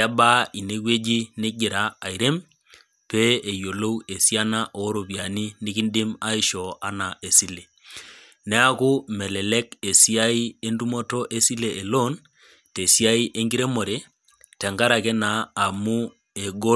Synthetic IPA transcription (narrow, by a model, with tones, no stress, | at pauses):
a˦ba˦i˨ne˦kwe˦d͡ʒi˦ne˦ɡɪ˨ɾaː˦˨i˨ɾe˦m | pe˦e˨jo˨lo˦we˨sja˦na˦ʔo˨˦ɾo˨pja˨ni˦ni˦ki˦ndɪ˦ma˦i˦ʃɔ˨a˦na˨ʔe˨si˦le˨ | nɛ˦a˦ku˦mɛ˨lɛ˨lɛ˦ke˨si˦a˦i˦e˦ndu˦mo˦tɔ˦ʔe˦si˦le˨ʔe˨lo˦n | te˨sja˦i˦ʔe˦ŋɡi˦ɾe˦mo˨ɾe˨ | tɛ˨ŋɡa˦ɾa˨kɛ˦naː˨mu˦ | e˨ɡo˦